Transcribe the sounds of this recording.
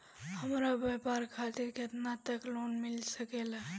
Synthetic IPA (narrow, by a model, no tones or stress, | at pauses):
həmɾabapaɾkʰat̪iɾket̪nat̪əklonmilsəkela